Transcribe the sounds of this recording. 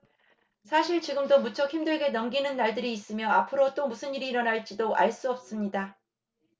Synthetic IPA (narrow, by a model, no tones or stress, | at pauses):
sʰaɕʰiɭt͡ɕiɡɯmdomut͡ɕʰʌkçimdweɭɡe̞nʌmɡinɯnːaɭdɯɾiːs͈ɯmjʌapʰɯɾot͈omusʰɯniɾiːɾʌnaɭt͡ɕ͈idoʔa̰ɭs͈uʌp̚s͈ɯmɲida